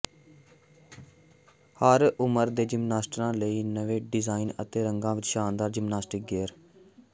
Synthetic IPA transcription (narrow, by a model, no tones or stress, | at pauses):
həɾʊməɾd̪eːd͡ʒɪmnaːsʈɾãːləiːnəʋeːɖɪzaːɪnə̰t̪eːɾəŋɡãːʋɪt͡ʃʃaːnd̪aːɾd͡ʒɪmnaːsʈɪk̚ɡeːɾ